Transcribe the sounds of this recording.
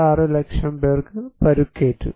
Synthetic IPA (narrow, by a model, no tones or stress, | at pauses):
aːrɨlekʂɐmberɡɨpɐɾukːeːtːṵ